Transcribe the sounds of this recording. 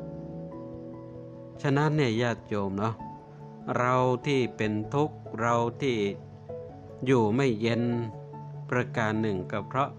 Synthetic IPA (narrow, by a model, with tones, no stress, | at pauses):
t͡ɕʰa˧na˦˥nːiː˥˩jaː˥˩t̪̚joː˧mnɔ˦˥ | ɾa˧wt̪ʰiː˥˩pe˧nt̪ʰu˦˥k̚ɾa˧wt̪ʰiː˥˩ | juː˨˩ma˥˩jːe˧n | pɾa˧kaː˧nːɯ˨˩ŋka˧˩pʰɾɔ˦˥ʔ